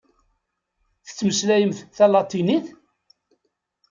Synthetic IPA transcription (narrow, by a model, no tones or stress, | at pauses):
θə̥t͡sːməslæjəmθθælɑt̪ˤːiniθ